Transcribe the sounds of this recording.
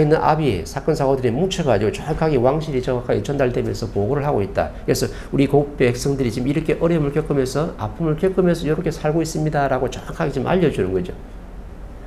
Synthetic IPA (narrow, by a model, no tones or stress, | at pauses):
inːɯnʔa̰biḛsʰak͈ʌnsʰaɡodɯɾemut͡ɕʰʌɡad͡ʑiɡot͡ɕaakʰaɡiwaŋɕ̬ʰiɾit͡ɕʌakʰːaɡit͡ɕʌndaɭdemjʌnsʰʌpoɡoɾɯɭhaɡoit̚t͈a̰kɯkesʰʌ | uɾikoupʰeek̚s͈ʌŋdɯɾit͡ɕimiɾʌkʰe̞ʔʌɾjʌmɯɭkjʌk͈ɯmensʰʌa̰pʰɯmɯɭkjʌk͈ɯmensʰʌjʌɾokʰe̞sʰaɭɡois͈ɯmɲidaɾaɡot͡ɕaakʰaɡit͡ɕomʔa̰ʎːʌd͡ʑunɯnɡʌd͡ʑo